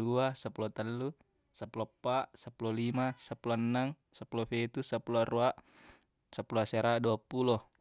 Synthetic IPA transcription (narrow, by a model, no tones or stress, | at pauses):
uasapulot̪alːu | sapulopːaʔsapulolimasapulonːaŋsapulofet̪usapuluaɾuaʔ | sapːuluaseɾaduapulo